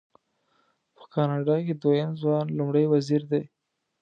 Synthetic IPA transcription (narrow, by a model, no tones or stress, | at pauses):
pə̥kɑnɑɖɑked̪wojəmzwɑnlumɽəjwaziɾd̪e